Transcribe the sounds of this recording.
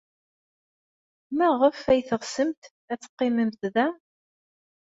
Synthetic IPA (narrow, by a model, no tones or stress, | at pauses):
mæʁəfæjθəʁsəmt̪ | æt͡sːə̥qːɪməmt̪ðæ